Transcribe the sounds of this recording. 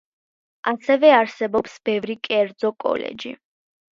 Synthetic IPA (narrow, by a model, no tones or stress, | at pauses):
asɛvɛaɾsɛbɔpsb̥ɛvɾikʼɛɾd̪zɔkʼɔ̰lɛ̰d͡ʒḭ